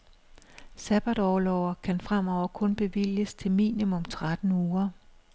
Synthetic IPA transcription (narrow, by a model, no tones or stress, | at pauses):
sæb̥æd̥ɒːlɒʊɐkʰænfʁam̰ɒʊ̰ɐkʰɔ̽nb̥e̝ʋil̰jəst͡sʰe̝lmḭːnimɔ̽mt͡sʰʁad̥n̩uːɐ